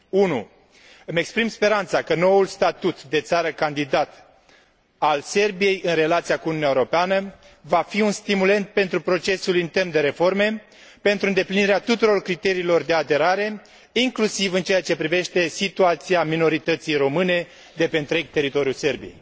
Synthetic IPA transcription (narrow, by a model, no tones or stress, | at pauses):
unu | ɨme̞kspɾimspe̞ɾant̪sakəno̞wulst̪at̪ut̪d̪e̞t̪saɾəkand̪id̪at̪ | alse̞rbije̞jɨnre̞lat̪siakununʲaeoɾopeanə | vafiunst̪imule̞nt̪̚pe̞nt̪ɾupɾo̞t͡ʃe̞sulint̪e̞rmd̪e̞ɾe̞fo̞rme̞ | pe̞nt̪ɾuɨnd̪epliniɾeat̪ut̪uɾo̞rkɾit̪e̞ɾiːlo̞rd̪e̞ad̪e̞ɾaɾe̞ | iŋklusivɨnt͡ʃeat͡ʃe̞pɾive̞ʃt̪e̞sit̪uat̪siamino̞ɾit̪ət̪sijɾo̞mɨne̞ | d̪e̞pe̞ɨnt̪ɾe̞ɡ̚t̪e̞ɾit̪o̞ɾjuse̞rbijḛj